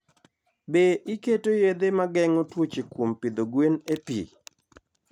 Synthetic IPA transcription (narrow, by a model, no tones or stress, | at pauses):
beʔiketojed̪emaɡɛŋotwot͡ʃekwompid̪oɡwenepḭ